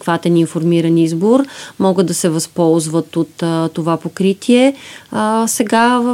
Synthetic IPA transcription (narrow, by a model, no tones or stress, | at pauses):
kvat̪ɛninfoɾmiɾɐnizboɾmɔɡəd̪d̪ɐsɛvɐspɔlˠzvət̪ot̪t̪ːovapokɾit̪ʰiɛ | sɛɡa